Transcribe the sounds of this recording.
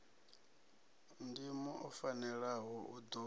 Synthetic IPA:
ndimɔʔɔfanɛɺaɦɔʔud̪ɔ

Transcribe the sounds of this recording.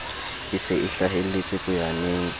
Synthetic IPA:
hɪsɪʔɪɬaɦel̩lɪt͡sʼɪpʼʊjaneːŋ̩

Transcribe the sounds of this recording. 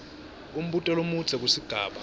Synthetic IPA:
um̩ɓutʼɛlomut͡sʰɛk̬ʼusiɡ̥ʱaːɓa

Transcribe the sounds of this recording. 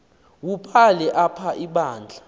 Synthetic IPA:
wupʰalɛʔapʰaʔiɓaːnd͡ɮʱa

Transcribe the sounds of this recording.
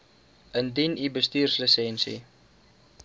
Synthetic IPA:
əndinibəstiːrsləsɛnsḭ

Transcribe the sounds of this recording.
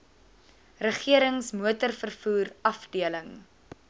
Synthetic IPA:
rəχiəɾəŋsmuətərfərfuːrɐfdiələŋ

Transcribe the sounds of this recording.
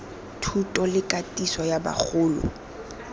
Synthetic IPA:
tʰutʼɔlɪkʼatʼiswɔjaba̰k͡xʰʊːlʊ̰

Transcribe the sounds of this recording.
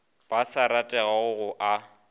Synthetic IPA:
b̥asaɾatʼɛɣaʊɣʊʔa

